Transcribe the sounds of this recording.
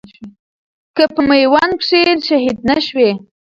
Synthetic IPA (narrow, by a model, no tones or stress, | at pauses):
kəpəməjwankʂilʃaɦid̪̚naʃwe